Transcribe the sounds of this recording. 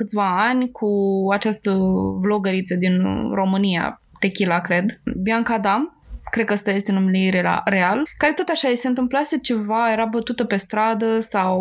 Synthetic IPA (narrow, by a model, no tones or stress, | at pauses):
kɨt̪sʲvaanʲkʰuat͡ʃast̪əvlo̞ɡəɾit̪səd̪inro̞mɨnija̰ | t̪ekʲilakɾe̞d̪biaŋkad̪amkɾed̪̚kəast̪aje̞st̪enumeliɾea̰ɾealkaɾe̞t̪o̞t̪aʃajese̞ɨnt̪ɨmplaset͡ʃe̞vaje̞ɾabət̪ut̪əpe̞st̪ɾad̪əsaw